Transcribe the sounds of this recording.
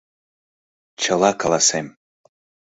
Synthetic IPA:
t͡ɕʰəlˠɑkalasem

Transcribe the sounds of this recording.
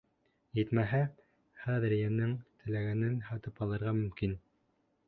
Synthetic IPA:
jɘt̪mæɦæ | χæðɘɾjænɘŋt̪ʰɘ̆læɡænɘnhɑt̪ɤpɑlˠɤ̆ɾʁɑmɵ̆mkin

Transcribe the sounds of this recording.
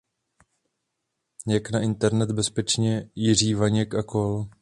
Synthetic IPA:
jaknaʔɪnt̪ɛɾnɛd̪bɛspɛt͡ʃɲɛjɪr̝iːvaɲɛkakol

